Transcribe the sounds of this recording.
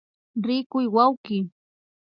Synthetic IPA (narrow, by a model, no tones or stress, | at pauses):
ɾɪkʊjwawkɪ